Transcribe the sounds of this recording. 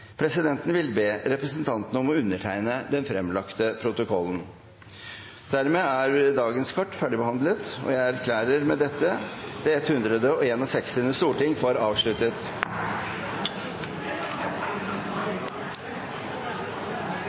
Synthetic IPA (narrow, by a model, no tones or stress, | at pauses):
pʰɾɛsɪd̪ɛnt̪n̩ʋɪlbeːɾɛpɾəsənt̪ʰɑnt̪ənəɔmɔʉnːəʈʰæɪnəd̪ɛnfɾɛmlɑkt̪əpʰɾʊt̪ʊkʰɔlːn̩ | d̪̥æɾmeːæɾd̪ɑːɡənskʰɑʈːfæɖɪbəhɑnd̪lət̪ɔ̰jæɪæɾkʰlæːɾəɾmɛd̪ɛt̪ːəd̪̥ɛɛt̪hʉnd̪ɾəd̪əɔeːnɔsɛkst̪ɪnʉst̪uːʈɪŋfɑɾɑːʋʂɭʉt̪ət̪